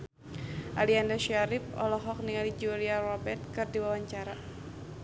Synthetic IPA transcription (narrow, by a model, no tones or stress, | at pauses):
ʔaliandaʃaɾip̚ɔ̰lɔɦɔk̚niŋalid͡ʒuliarɔbɛrt̪̚kɨrdiwawaɲt͡ʃaɾa